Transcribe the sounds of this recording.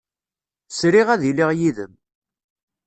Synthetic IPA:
sɾiʁæðilɪʁjiðə̰m

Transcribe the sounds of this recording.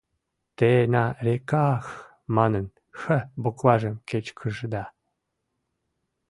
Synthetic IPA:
t̪enɑrʲekɑx | mɑnən | xə̆boklˠɑʒĕmket͡ɕkʰəʒd̪ɑ

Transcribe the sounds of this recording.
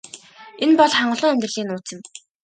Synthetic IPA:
enpɔɮχaɴɢə̆ɮʊːŋemʲt̪r̆ɮiːnuːt͡sɪ̆m

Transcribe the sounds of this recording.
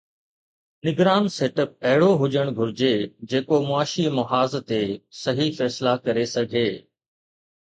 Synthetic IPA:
nɪɡɾaːnseːʈəp̚ɐɦɪɽoɦʊʄəɽ̃ɡʱʊɾɪd͡ʑed͡ʑeːkomʊaːʃimɐɦaːzt̪esɐɦifɛːslakɐɾesɐɡʱeː

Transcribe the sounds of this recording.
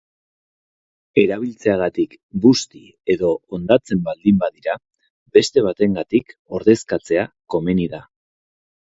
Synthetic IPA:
e̞ɾaβilt͡se̞aɣ̞at̪ik | bust̪i | e̞ðo̞ːnd̪at͡se̞mbald̪imbaðiɾa | be̞st̪e̞β̞at̪e̞ŋɡat̪iko̞ɾðe̞skat͡se̞ako̞me̞niða

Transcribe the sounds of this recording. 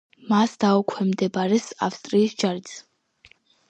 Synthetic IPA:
masd̪aukʷʰɛmd̪ɛbaɾɛsa̰fst̪ʼɾiːsd͡ʒaɾit̪sʰ

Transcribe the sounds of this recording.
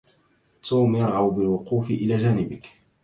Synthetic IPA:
t̪ʰuːmjɑɾˤʕawbɪlwʊquːfɪʔɪlaːd͡ʒaːnɪbɪk

